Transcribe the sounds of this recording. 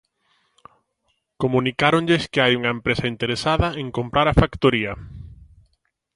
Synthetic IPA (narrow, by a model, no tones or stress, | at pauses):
komũnikaɾoɲʎeskɪajuŋɐempɾesaint̪eɾesaðɐẽŋkompɾaɾafakt̪oɾiɐ